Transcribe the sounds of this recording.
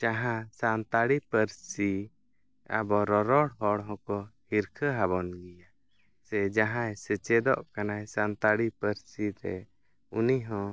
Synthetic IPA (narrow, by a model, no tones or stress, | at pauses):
d͡ʒaɦãsant̪aɽipəɾsi | a̰bɔɾɔɾɔɽɦɔɽɦɔ̃kɔhiɾkʰəɦaβɔnɡija | sɛd͡ʒaɦãjsɛt͡ʃɛd̪ɔʔkanajsant̪aɽipəɾsiɾɛ̰ | uniɦɔ̃